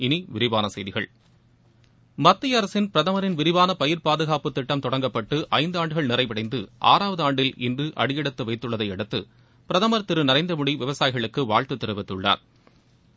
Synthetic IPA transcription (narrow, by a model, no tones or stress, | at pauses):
ɪniʋɪɾɪʋaːnɐsɐjðɪɣɐ̰ɭ | mɐt̪ːɪjɐɾɐsɪnpɪɾɐðɐmɐɾɪnʋɪɾɪʋaːnɐpɐjɪɾpaːðɯɣaːpɯt̪ːɪʈːɐmt̪ɔɽɐŋɡɐpːɐʈːɯʔɐɪnd̪aːɳɖɯɣɐɭnɪrɐɪpɪɽɐɪnd̪ɯʔa̰ːɾaːʋɐðɯaːɳɖɪlɪ̰ndrɯʔɐ̰ɽɪjɛɽɯt̪ːɯʋɐɪt̪ːɯɭːɐðɐɪɛɽɯt̪ːɯ̰ | pɪɾɐðɐmɐɾt̪ɪɾɯnɪɾɐɪnd̪ɐmʊɽiʋɪʋɐsaːjɪɣɐɭɯkːɯʋaːɭt̪ɯt̪ːɪɾɯʋɪt̪ːɯɭːa̰ːɾ